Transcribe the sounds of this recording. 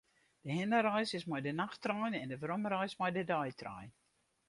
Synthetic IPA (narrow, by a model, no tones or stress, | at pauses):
d̥əɦɪnəɾɛjsɪsmɔjdənaxtrœjnɛndəvromɾɛjsmɔjdədɔjtʰrɔ̰jn